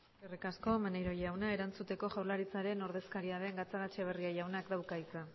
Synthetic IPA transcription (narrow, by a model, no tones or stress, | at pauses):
erikasko̞manejɾo̞jawnae̞ɾant͡sut̪e̞ko̞ʝawlaɾit͡saɾe̞no̞ɾðe̞skaɾiaðe̞ŋɡat͡saɣat͡ʃeβ̞e̞riajawnakd̪awkait͡sa